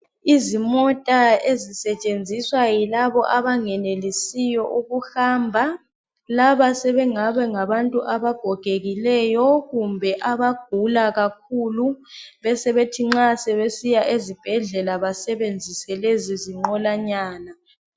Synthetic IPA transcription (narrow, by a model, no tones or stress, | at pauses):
izimɔtʼaezisɛt͡ʃʼend͡zʱiswajilaβɔʔaβaŋɛnelisijɔʔuɣuhaːmbʱa | laβasɛβɛŋaβɛŋaβantʼuʔaβaɡ̥ʱɔɡ̥ʱeɣilɛjɔɣumbʱɛʔaβaɡ̥̚ʱulaɣakʰuluβɛsɛβetʰiŋ͡ǁasɛβesijaʔezib̥ʱɛɮɛlaβasɛβend͡zʱisɛleziziŋ͡ǃɔlaɲaːna